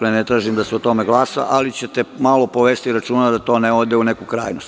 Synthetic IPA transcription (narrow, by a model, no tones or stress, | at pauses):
enet̪ɾaːʒimd̪aseot̪o̞meɡlaːsa̰ʔalit͡ɕe̞t̪emalo̞poʋeːst̪iɾat͡ʃuːnad̪at̪o̞neod̪eune̞kukɾa̰ːjnost̪